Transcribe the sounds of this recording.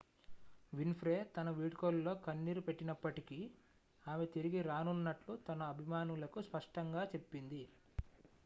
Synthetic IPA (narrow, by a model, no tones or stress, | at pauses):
ʋinpɾe̞ːt̪ɐnɐʋiːɽkoːllo̞ːkɐnːiːɾupe̞ʈːinɐpːɐʈiki | aːmet̪iɾiɡiɾaːnunːɐʈlut̪ɐnɐːbʱimaːnulɐkuspɐʂʈɐŋɡaːt͡ʃe̞pːind̪i